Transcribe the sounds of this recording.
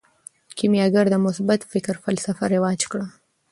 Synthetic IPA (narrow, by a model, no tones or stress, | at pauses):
kimjɑɡaɾd̪əmʊsbat̪fɪkɾfalsafaɾɪwɑd͡ʒkɽa